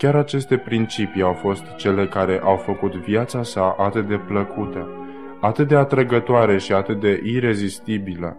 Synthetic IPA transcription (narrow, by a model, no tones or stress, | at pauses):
kʲaɾat͡ʃe̞st̪e̞pɾint͡ʃipiawfo̞st̪t͡ʃe̞le̞kaɾe̞ʔawfəkut̪vjat̪sasaʔat̪ɨt̪̚d̪e̞pləkʰut̪ə | at̪ɨt̪̚d̪eat̪ɾəɡət̪oaɾe̞ʃiat̪ɨt̪̚d̪e̞ʔiɾe̞zist̪ibilə̰